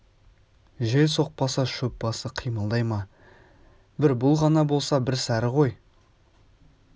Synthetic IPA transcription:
ʒe̞lso̞q̚pɑsɑʃɵp̚bɑsəqʰijməlˠd̪ɑjmɑ | bɪɾbʊlˠʁɑnɑbo̞lˠsɑbɪɾsæɾɪʁo̞j

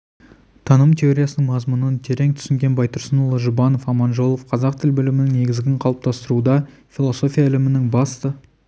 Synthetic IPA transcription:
t̪ʰɑnəmt̪ʲʰe̞o̞ɾʲijasənəɴmɑzmunənt̪ʰe̞ɾe̞ŋt̪ʰʏ̥sɪŋɡʲe̞nbɑjt̪əɾsənulˠəʒʊbɑno̞fɑmɑnʒo̞lˠofqʰɑzɑqt̪ʰɪlbʏlɪmɪnɪŋne̞ɡʲɪzɡʲɪɴqʰɑlˠəp̚t̪ʰɑst̪əɾud̪ɑ | fʲilˠo̞so̞fʲijaɪlɪmɪnɪŋbɑst̪ə

